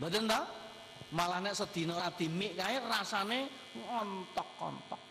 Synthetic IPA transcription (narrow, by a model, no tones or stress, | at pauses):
bad̪ənt̪a | malahnɛʔsəd̪̥i̤nɔɾad̪̥i̤mɪʔkaerasane | ŋɔnt̪ɔkːɔ̰nt̪ɔk̚